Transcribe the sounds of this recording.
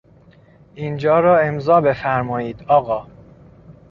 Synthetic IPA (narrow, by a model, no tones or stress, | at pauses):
ʔind͡ʒɒːɾɒːe̞mzɒːbe̞fæɾmɒːiːd̪ɒːɣɒː